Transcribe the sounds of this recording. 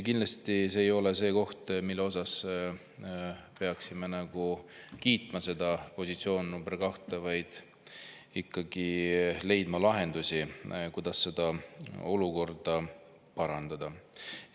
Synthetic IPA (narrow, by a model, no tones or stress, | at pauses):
kinlɑst̪iseːjo̞lese̞ːko̞ht̪milːeo̞sɑs | pe̞ɑksimenɑɡ̥ukiːt̪ˑmɑse̞d̪̥ɑpo̞sit̪sio̞ːnːumberkɑht̪ɑvɑjd̪̥ | ikːɑɡ̥ile̞jd̪mɑlɑɦe̞nd̪usʲikujd̪̥ɑsːe̞d̪̥ɑo̞luko̞rd̪̥ɑ | pɑɾɑnd̪̥ɑd̪̥ɑ